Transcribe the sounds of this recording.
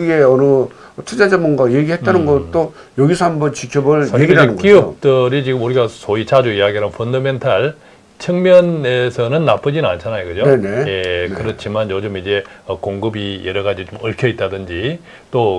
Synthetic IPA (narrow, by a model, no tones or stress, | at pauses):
ɡeʌnɯ | tʰɯd͡ʑad͡ʑamɯnɡajeɡihet̚t͈anɯnɡʌt͈o | jʌɡisʰʌhambʌnt͡ɕikʰjʌbɯɭsʰaɕeiɡiɾɦaeɯnkiɯt͈ɯɾit͡ɕiɡɯmuɾiɡasʰoit͡ɕad͡ʑuijaɡiaɯnpʰondʌme̞ntʰaɭ | t͡ɕʰɯŋmjʌne̞sʰʌnɯnːap͈ɯd͡ʑinɯnant͡ɕʰanajoɡɯd͡ʑonenejekɯɾʌt͡ɕʰimanjod͡ʑomid͡ʑe̞ʌkoŋɡɯbijeɾʌɡad͡ʑit͡ɕomɯɭkʰjʌit̚t͈adɯnd͡ʑi | t͈o